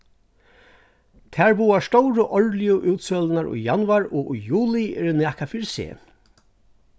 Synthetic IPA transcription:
t̪ʰæːɹbuːaʂt̪ɔwɾəʔɔɹlɪjʊʔʉːt̪sœːlənaɹṵjanwaɹɔːujuːlɪɛ̰ɾɪnæːkafiɾsḛː

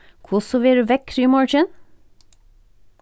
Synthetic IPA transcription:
kʰʊsɔʋeːɾʉːʋɛkʰɾyːmɑɹt͡ʃɪn

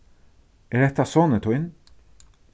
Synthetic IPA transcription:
ɛɹɛt̪asɔːnət̪ʰʊjn

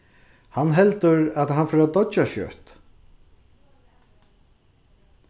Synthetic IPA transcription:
hanːɦɛlt̪ʏɾat̪ɦanfɔɾad̪ɔt͡ʃaʃœ̰ːt̪

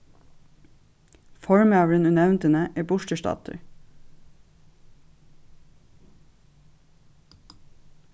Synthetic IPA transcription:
fɔɹmɑːɹənʉnæʉnt̪ənəʔeːbʊʃʈəʃtɑ̰ːt̪ʰə̰ɹ

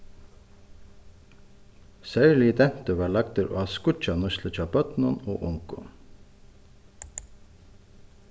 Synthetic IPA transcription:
sœʉliːd̪ɛnt̪əʋɑːɭɑkɡt̪əɾʔo̰ːɑːskʊt͡ʃɑnʊʃləc͡çɑpœt̪nɔno̰ːʔʊŋkʊ̰

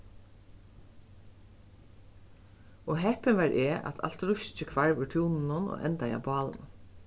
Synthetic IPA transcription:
ɔɦɛpɪnʋɑːɹʔeːʔa̰t̪ʰa̰lt̪ɾʊʃt͡ʃɪkʰʋaɹʋʉɹt̪ʰjuːnn̩ʊnɔ̰ːʔɛnt̪aja̰ːbɑːln̩

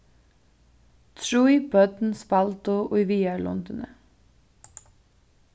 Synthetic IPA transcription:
t̪ʰɹuːibœt̪n̩spɑlt̪ʊʔoiʋiːælɔ̰nd̪ənə

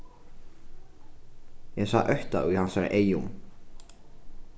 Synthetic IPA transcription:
jɛɣsaʔœɥht̪a̰uhansaɾɪ̰ʔeːjum

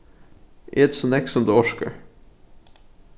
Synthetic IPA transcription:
ʔḛːd̪sonɛksɔmd̪ʉːɔʃkə̰ɹ

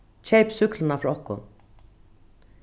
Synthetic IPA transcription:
t͡ɕʰɛjpsʏklɪnafɾɔɔhkʊ̰n

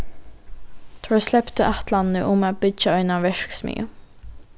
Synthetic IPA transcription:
t̪ʰɔslɛpt̪əʔat̪lanəʔʊmæːbʏd͡ʒaœʏnaʋɛʂksmy̰ːə̰

